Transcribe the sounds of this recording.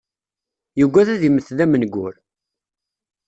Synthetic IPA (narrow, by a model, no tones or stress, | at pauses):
jəɡʷːæðæðiməθðæmənɡʷːʊɾ